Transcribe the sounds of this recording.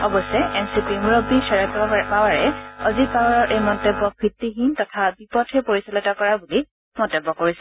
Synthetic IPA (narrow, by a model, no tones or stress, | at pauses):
ɔbɔsɛʔɛmsipimɹɔbisɛɹɔtpawaɹɛɔzit̚pawaɹɔɹʔejmɔntɔbːɔkʰɹitːiɦintɔtʰabipɔtʰɛpoɹisɔlɔtɔkɔɹabuli | mɔntɔbːɔkoɹisɛ